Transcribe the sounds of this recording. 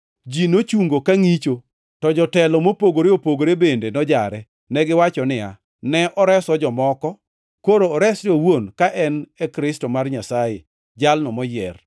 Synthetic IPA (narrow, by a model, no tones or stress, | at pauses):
d͡ʒinot͡ʃuŋɡokaŋit͡ʃo | tɔd͡ʒɔtɛlɔmopoɡoɾeopoɡoɾebendenɔd͡ʒaɾɛ | nɛɡɪwat͡ʃɔnɪa̰ | nɛʔɔɾɛsɔd͡ʒɔmɔkɔ | koɾoːɾɛsdowonkaʔɛnɛkɾɪstomarɲasajḛ | d͡ʒalnɔmɔjɛr